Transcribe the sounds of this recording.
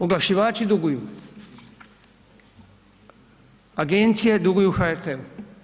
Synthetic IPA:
uɡlaʃiʋaːt͡ʃid̪uɡuju | aɡent̪sijed̪uɡujuxaeɾt̪ʰeu

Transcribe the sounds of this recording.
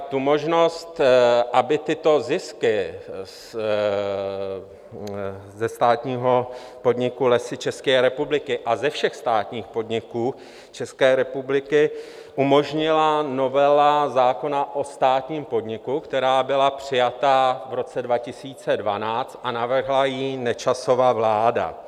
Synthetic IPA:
t̪umo̞ʒno̞st̪ʔabɪt̪ɪt̪o̞zɪskɪ | zɛst̪aːt̪ɲiːɦo̞ | po̞dɲɪkulɛsɪt͡ʃɛskɛːɾɛpublɪkɪʔazɛfʃɛxst̪aːt̪ɲiːxpo̞dɲɪkuː | t͡ʃɛskɛːɾɛpublɪkɪ | ʔumo̞ʒɲɪlano̞vɛlazaːko̞naʔo̞st̪aːt̪ɲiːmpo̞dɲɪkukt̪ɛɾaːbɪlapr̥ɪjat̪avɾo̞t͡sɛdvacɪsiːt͡sɛdvanaːt͡st̪̚ʔanavr̩ɦlajiːnɛt͡ʃaso̞vaːvlaːda̰

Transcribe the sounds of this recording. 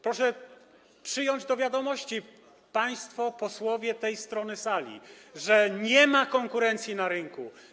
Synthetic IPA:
pɾɔʂɛ | pʂɘjɔɲd͡ʑd̪ɔvʲjad̪ɔmɔɕt͡ɕi | paj̃st̪fɔpɔswɔvʲjɛt̪ɛjst̪ɾɔnɘsalʲḭʐɛɲɛmakɔŋkuɾɛnt̪sʲjinaɾɘŋku

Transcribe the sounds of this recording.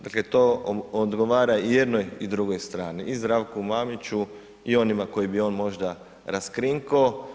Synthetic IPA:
d̪aklet̪ood̪ɡoʋaːɾaijed̪no̞jid̪ɾuɡo̞jst̪ɾaːniʔizd̪ɾaːʋkumamit͡ʃu | io̞nimako̞jibio̞ːnmo̞ʒd̪a | ɾaskɾiŋkao

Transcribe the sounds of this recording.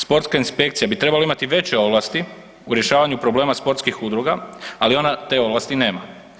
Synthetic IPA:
spo̞ɾt̪skainspe̞k̚t̪sijabit̪ɾebalaimat̪iʋe̞t͡ɕeo̞ʋlˠast̪i | uɾje̞ʃaːʋaɲupɾo̞ble̞ːmaspo̞ɾt̪skixud̪ɾuɡaalio̞nat̪e̞o̞ʋlast̪ine̞ːma

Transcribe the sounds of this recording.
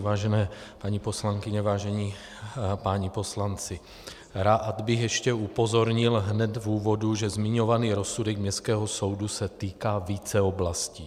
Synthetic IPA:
vaːʒɛnɛːpaɲipo̞slaŋkɪɲɛvaːʒɛɲi | paɲipo̞slant͡sɪ | ɾaːʔad̪bɪxjɛʃcɛupo̞zo̞ɾɲɪlɦnɛt̪vuːvo̞duʒɛzmɪɲo̞vaniːɾo̞sudɛɡmɲɛstkɛːɦo̞so̞wdusɛt̪iːkaːviːt͡sɛoblasciː

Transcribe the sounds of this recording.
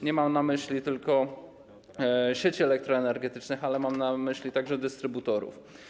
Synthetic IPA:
ɲɛmamnamɘɕlʲit̪ɘlkɔ | ɕet͡ɕiɛlɛk̚t̪ɾɔɛnɛɾɡɛt̪ɘt͡ʂnɘxalɛmamnamɘɕlʲit̪aɡʐɛd̪ɘst̪ɾɘbut̪ɔɾṵf

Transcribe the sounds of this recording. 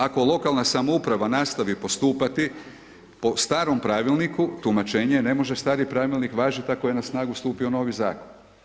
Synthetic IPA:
ako̞lo̞kalˠnasamoupɾaʋanaːst̪aʋipo̞st̪uːpat̪i | po̞st̪aːɾo̞mpɾaːʋilˠnikut̪umat͡ʃe̞ːɲene̞mo̞ʒest̪aːɾipɾaːʋilnikʋaːʒit̪akojenasnaːɡust̪uːpio̞no̞ːʋizaːkon

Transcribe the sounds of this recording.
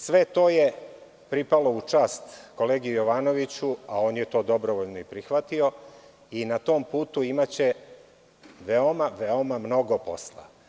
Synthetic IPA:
sʋet̪o̞ːje̞ | pɾipalo̞ut͡ʂaːst̪ko̞leːɡiujo̞ʋaːno̞ʋit͡ɕuao̞ːnjet̪o̞ːd̪o̞bɾoʋoʎnoipɾixʋat̪io̞ | inat̪oːmpuːt̪uimat͡ɕe | ʋeomaʋeomamno̞ɡo̞po̞̰slˠa̰

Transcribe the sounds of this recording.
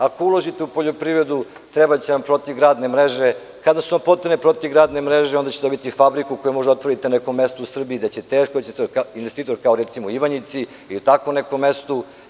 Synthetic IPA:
akoulˠoʒit̪eupo̞ʎo̞pɾiʋɾe̞d̪u | t̪ɾebat͡ɕenampɾot̪iʋɡɾaːd̪ne̞mɾeʒe | kad̪asuampot̪enepɾo̞t̪ivɡɾaːd̪nemɾeʒeo̞nd̪at͡ɕed̪o̞bit̪ifabɾikuko̞jumo̞ʒdeo̞t̪ʋo̞ɾit̪eneko̞mːest̪ousr̩biid̪at͡ɕe̞t̪eːʃkoet͡ɕekainʋest̪iːt̪o̞ɾkaoɾet̪simoiʋaɲit̪si | ilit̪akonekomːe̞st̪u

